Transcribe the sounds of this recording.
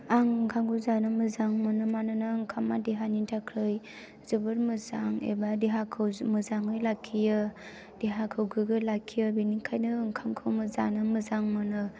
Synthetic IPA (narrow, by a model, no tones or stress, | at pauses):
aŋkʰaŋɡʰɯzanɯmɯzaŋmɯnɯmanɯnɯŋkʰamːadeɦanintʰakʰɾɯj | zɯbɯɾmɯzaŋḛbadeɦakʰɯwmɯzaŋɯjlakʰːijɯ | d̥eɦakʰɯwɡʰɯɡɯlakʰːijɯbenikʰajnɯŋkʰaŋkʰɯwmɯza̰nɯmɯzaŋmɯnɯ